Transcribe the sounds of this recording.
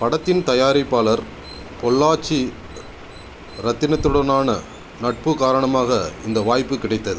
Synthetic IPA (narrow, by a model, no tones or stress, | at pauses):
pɐɽɐt̪ːɪnt̪ɐjaːɾɪpːaːlɐɾ | pɔlːaːt͡ʃi | ɾɐt̪ːɪnɐt̪ːɯɽɐnaːnɐ | nɐʈ̚pɯkaːɾɐɳɐmaːɣɐɪnd̪ɐʋaːjpːɯkɪɽɐɪt̪ːɐðɯ